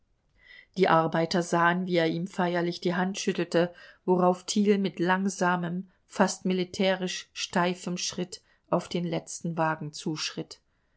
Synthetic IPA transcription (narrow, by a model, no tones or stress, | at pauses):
d̥iːʔaɐbaɪtɐzaːənviːeːɐʔiːmfaɪɐlɪçd̥iːɦantʃʏtl̩təvoʁaʊftʰiːlmɪtlaŋzaːməm | fastmilitʰɛːʁɪʃʃtaɪfəmʃʁ̥ɪt | ʔaʊfd̥eːnlɛt͡stn̩vaːɡŋ̩t͡suːʃʁ̥ɪt